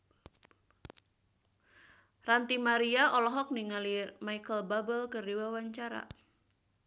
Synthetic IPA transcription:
rant̪imaɾiaʔɔlɔɦɔk̚niŋalimaikəlbabəlkərdiwawaɲt͡ʃaɾa̰

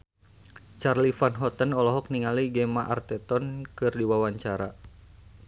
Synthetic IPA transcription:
t͡ʃarlifanɦɔt̪ənɔlɔɦɔk̚niŋaliɡɛmaʔa̰rt̪ɛt̪ɔnkɨrdiwawaɲt͡ʃaɾa

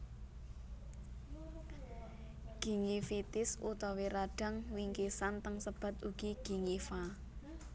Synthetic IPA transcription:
ɡ̥i̤ŋifit̪ɪsut̪ɔweɾaɖ̥ä̤ŋwiŋkisant̪əŋsəb̥a̤t̪uɡ̥iɡ̥i̤ŋifa

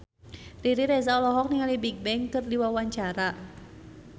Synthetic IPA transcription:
riɾiɾɛzaɔlɔɦɔk̚niŋalibik̚bɛŋkɨrdiwawaɲt͡ʃaɾa

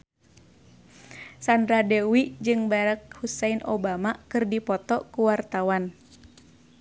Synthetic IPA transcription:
sandɾadewid͡ʒɨŋbaɾak̚husɛinʔobamakɨrdipɔt̪ɔkuwart̪awan

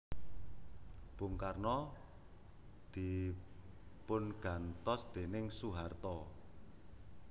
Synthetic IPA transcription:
b̥ʊ̤ŋkarnɔ | d̪̥i̤ | pʊnɡ̥a̤nt̪ɔsd̪̥e̤nɪŋsuɦart̪ɔ

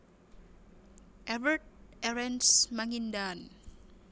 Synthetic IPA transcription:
ʔɛvərt̪̚ɛɾɛnsmaŋindan

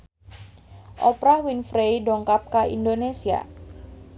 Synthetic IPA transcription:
ʔɔpɾahwinfɾejɖɔŋkap̚kaḭndonesia̰

